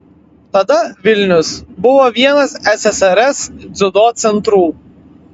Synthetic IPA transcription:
t̪ɐd̪ɐʋʲɪlʲnʲʊsbʊʋoːʋʲiɛnɐsɛsʲɛsɛɾɛsd̪zʲʊd̪oːt̪sʲɛnt̪ɾuː

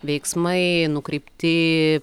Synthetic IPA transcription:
ʋʲɛɪksmɐɪnʊkɾʲɛɪpʲt̪ʲɪ

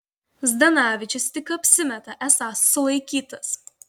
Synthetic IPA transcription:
zd̪ɐnɑːʋʲɪt͡ʃʲɪst̪ʲɪkɐpʲsʲɪmʲɛt̪ɐʔɛsɑˑsːʊlˠɐɪkʲiːt̪ɐs

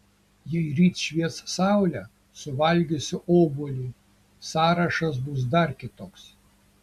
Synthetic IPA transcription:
jɛɪɾʲiːt̪ʃʲʋʲiɛt̪ssɑˑʊlʲɛ | sʊʋɐlʲɡʲɪsʲɪʔoːbʊlʲiː | sɑːɾɐʃɐs̬bʊs̬d̪ɐɾkʲɪt̪oːks

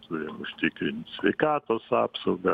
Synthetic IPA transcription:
t̪ʰʊɾʲɪmʊʃʲt̪ʲɪkɾʲɪnʲt̪ʲsʲʋʲɛɪkɑːt̪oːsɑːpsɐʊɡɐ

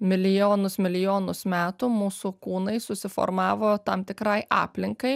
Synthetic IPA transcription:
mʲɪlʲɪjoːnʊsmʲɪlʲɪjoːnʊsmʲæːt̪ʊmuːsʊkuːnɐɪsʊsʲɪfɔ̰ɾmɑːʋoːt̪ɐmt̪ʲɪkɾɐɪʔɑ̰ːpʲlʲɪŋkɐɪ

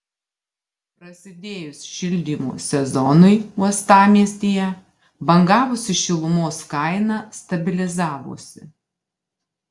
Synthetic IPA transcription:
pɾɐsʲɪd̪ʲeːjʊsʲʃʲɪlʲd̪ʲiːmo̰ːsʲɛzɔnʊɪmuɔst̪ɑːmʲiɛsʲt̪ʲiːjɛ | bɐŋɡɑːʋʊsʲɪʃʲɪlˠʊmoːskɐɪnɑst̪ɐbʲɪlʲɪzɑːʋo̰ːsʲɪ

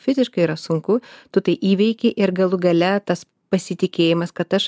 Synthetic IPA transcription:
fʲɪzʲɪʃkɐɪiːɾɐsʊŋkʊt̪ʊt̪ɐɪʔiːʋʲɛɪkʲɪʔɪɾɡɐlˠʊɡɐlʲɛt̪ɐs | pɐsʲɪt̪ʲɪkʲeːjɪmɐskɐt̪ɐʃ

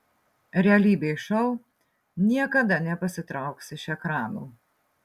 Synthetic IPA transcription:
ɾʲɛɐlʲiːbʲeɪʃɐʊ | nʲiɛkɐd̪ɐnʲɛpɐsʲɪt̪ɾɐˑʊksɪʃɛkɾɑːnuː

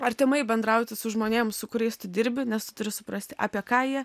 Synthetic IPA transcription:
ɐɾʲt̪ʲɪmɐɪbʲɛnd̪ɾɐʊt̪ʲɪsʊʒmoːnʲeːmsʊkʊɾʲɛɪst̪ʊd̪ʲɪɾʲbʲɪnʲɛst̪ʊt̪ʊɾʲɪsʊpɾɐsʲt̪ʲɪʔɑ̰ːpʲiɛkɑːjiɛ

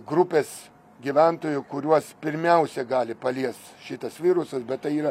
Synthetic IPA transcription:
ɡɾupʲeːs | ɡʲiʋʲɛnt̪oːjʊkʊɾʲuɔspʲɪɾʲmʲɛʊsʲɛɡɑːlʲɪpɐlʲiɛst̪ʃʲɪt̪ɐsʋʲiːɾʊsɐsbʲɛt̪t̪ɐɪiːɾɐ

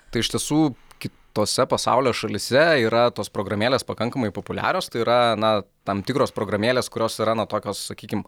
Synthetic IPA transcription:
t̪ɐɪɪʃʲt̪ʲiɛsuːkʲɪt̪oːsʲɛpɐsɑ̰ʊlʲoːʃɐlʲɪsʲɛiːɾɐt̪oːspɾoːɡɾɐmʲeːlʲeːspɐkɐŋkɐmɐɪpopʊlʲæ̰ːɾʲoːst̪ɐɪiːɾɐnɐ | t̪ɐmt̪ʲɪkɾoːspɾoːɡɾɐmʲeːlʲeːskʊɾʲoːsiɾɐnɐt̪oːkʲoːssɐkʲiːkʲɪm

